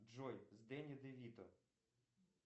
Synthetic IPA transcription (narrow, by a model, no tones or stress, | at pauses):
d͡ʒɔjzd̪ɛnʲid̪ɪʋʲit̪ɔ̰